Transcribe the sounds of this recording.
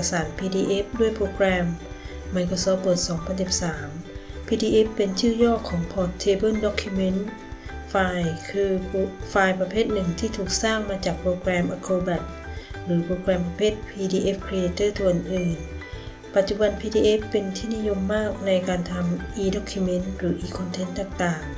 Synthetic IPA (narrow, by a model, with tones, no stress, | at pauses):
saː˩˦npʰiː˧diː˧ʔe˦˥p̚du˥˩əjpʰɾoː˧kɾɛː˧mː | a˧jkʰo˧sɔː˦˥p̚pːɤː˨˩t̪̚sɔː˩˦ŋpʰa˧nsi˨˩p̚saː˩˦mpʰiː˧diː˧ʔe˦˥pːe˧nt͡ɕʰɯː˥˩jɔː˥˩kʰːɔː˩˦ŋpʰɔː˧˩t̪ʰːeː˧bɤ˥˨ndɔ˦˥kʰːu˧me˧˥˨n | faː˧jkʰɯː˧faː˧jpa˧pʰeː˥˩t̪̚nɯ˨˩ŋt̪ʰiː˥˩t̪ʰuː˨˩k̚saː˥˩ŋmaː˧t͡ɕaː˨˩k̚pʰɾoː˧kɾɛː˧mʔa˧kʰːoː˧bɛ˨˩t̪̚ɾɯː˩˦pʰɾoː˧kɾɛː˧mpa˧pʰeː˥˩t̪̚pʰiː˧diː˧ʔe˦˥pkʰɾi˧eː˧t̪ʰɤː˥˩t̪ʰu˧˨ʔɯ˨˩nʔɯː˨˩n | pa˨˩t̪̚t͡ɕu˨˧˩ba˧npʰiː˧diː˧ʔe˦˥fpːe˧nt̪ʰiː˥˩ni˦˧˥jo˧mːaː˥˩k̚na˧jkaː˨˧nt̪ʰa˧mʔiː˧dɔ˧˥kʰːu˧me˧˥˨nt̪ɾɯː˨˩˦ʔiː˧˩kʰɔ˧nt̪ʰe˧˥nt̪aː˨˩ŋt̪aː˨˩ŋ